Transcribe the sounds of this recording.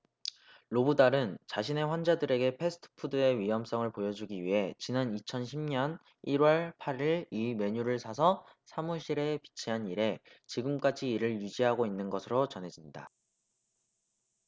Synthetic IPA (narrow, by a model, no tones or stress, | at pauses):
ɭobudaɾɯnt͡ɕaɕʰine̞ɸwand͡ʑadɯɾe̞ɡe̞pʰe̞sʰɯ̥tʰɯ̥pʰudɯe̞ɥijʌms͈ʌŋɯɭpojʌd͡ʑuɡiɥiɦe̞t͡ɕinanit͡ɕʰʌnɕʰimɲʌn | iɾwʌɭpʰaɾiɭime̞ɲuɾɯɭsʰasʰʌsʰamuɕ͈ʰiɾe̞pi̥t͡ɕʰiɦaniɾe̞t͡ɕiɡɯmk͈ad͡ʑiːɾɯɭjud͡ʑiɦaɡoinːɯnɡʌsʰɯɾot͡ɕʌnɦe̞d͡ʑinda̰